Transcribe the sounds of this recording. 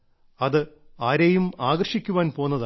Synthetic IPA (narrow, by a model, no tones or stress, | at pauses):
ɐðɨaːɾejumaːɡɐrʂikʲːuʋaːnpo̞ːnːɐða